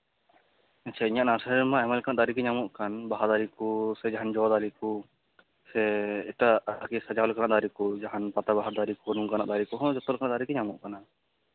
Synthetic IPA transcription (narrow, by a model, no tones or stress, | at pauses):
att͡ʃʰaiɲaʔnaɾsamaɛmɛlkanaʔd̪aɾikɛɲamuʔkanbaɦad̪aɾikusɛd͡ʒaɦand͡ʒɔd̪aɾiku | sɛɛʈaakisad͡ʒalkanaʔd̪aɾikud͡ʒaɦanpat̪abaɦaɾd̪aɾikunuŋkanaʔd̪aɾikuɦɔ̃d͡ʒɔt̪ɔlkanaʔd̪aɾikɛɲamuʔkana